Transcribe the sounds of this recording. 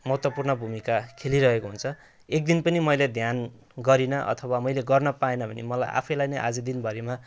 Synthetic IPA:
mʌɦt̪wʌpurnʌbʱumikakʰeliɾʌɦekoɦunt͡sʰʌ | ek̚d̪inpʌnimʌjled̪ʱjan | ɡʌɾinʌʔʌ̰t̪ʰʌwamʌjleɡʌrnʌpaenʌbʱʌnḭmʌla̰jʔa̰pʰʌjlajnʌjʔa̰d͡zʌd̪inbʱʌɾima

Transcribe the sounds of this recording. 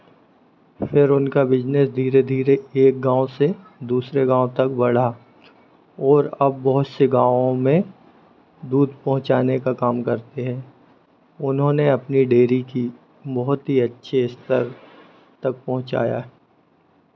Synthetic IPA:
fɪɾʊnkabɪd͡ʒnəsd̪ʱiːɾed̪ʱiːɾeeːk̚ɡãːõse | d̪uːsɾeɡãːõt̪ɐk̚bɐɽ̤a | ɔːɾɐb̚ːɔɦʊt̪seɡãːʋõmẽ | d̪uːd̪pɐɦʊ̃t͡ʃaːnekakaːmkɐɾt̪eɦɛ̃ː | ʊnɦõneɐpniɖeːɾiki | bɔɦʊt̪ɦiɐtːʃʰeɪst̪əɾ | t̪ɐk̚pɐɦʊ̃t͡ʃa̰ːja̰ːɦɛ

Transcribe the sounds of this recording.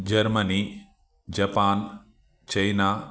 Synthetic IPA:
d͡ʒɐɾmɐniː | d͡ʒɐpaːn | t͡ʃɐjnaː

